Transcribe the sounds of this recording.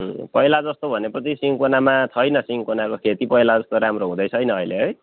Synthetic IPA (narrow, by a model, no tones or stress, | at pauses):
pʌjlad͡zʌst̪obʱʌnepʌt͡sʰisiŋkonamat͡sʰʌjnʌsiŋkonakokʰet̪ipʌjlad͡zʌst̪oɾamroɦũd̪ʌjt͡sʰʌjnʌːjleɦʌj